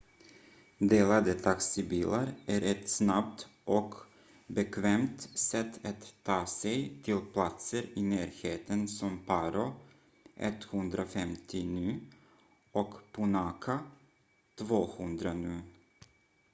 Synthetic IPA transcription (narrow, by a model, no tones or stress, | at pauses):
d̪eːlad̪ət̪ʰaksɪbiːlaɾʔæɾʔɛt̪snabt̪ʔɔk | bɛkʰvɛmt̪sɛt̪ʰːat̪ʰːɑːsɛjt̪ʰɪlpʰlat̪səɾɪnæːɾheːt̪ənsɔmpʰaɾʊ | ʔɛ̰t̪ːhɵnd̪ɾafɛmt̪ʰɪnʉ̟ː | ɔkpʰʊnakʰa | t̪ʰvoːhɵnd̪ɾanʉː